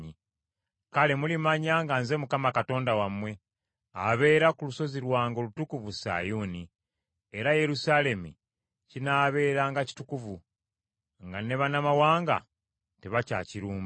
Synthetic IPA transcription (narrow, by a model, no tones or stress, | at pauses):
i | kale̞mulimaɲaːŋɡanze̞mukamakato̞ːndawamwe̞ | aβe̞ːɾakuluso̞ziɾwaːŋɡo̞lutukuvusa̰juːni | eɾaje̞ɾusale̞mḭ | cinaːβe̞ːɾaːŋɡaci̥tukuvu | ŋɡane̞βanamawaːŋɡa̰ | teβaca̰ːciɾuːm